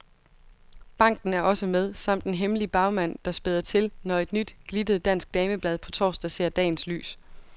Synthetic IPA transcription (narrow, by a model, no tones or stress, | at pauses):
b̥ɑ̈ŋ̰d̥n̩æɐʔɒ̽səmeðˠsɑ̈m̰d̥enɦemlib̥ɑ̈ʊmæn̰d̥ɑ̈sb̥e̝ðˠɐt͡sʰe̝lnɒe̝d̥nyd̥ɡ̥lid̥əð̩ˠd̥æn̰sɡ̥̚d̥ɛːməb̥lɛð̞ˠpʰɒ̽t͡sʰɒ̰ːsd̥æse̝̰ːɐd̥ɛ̰ːn̩sly̰ːs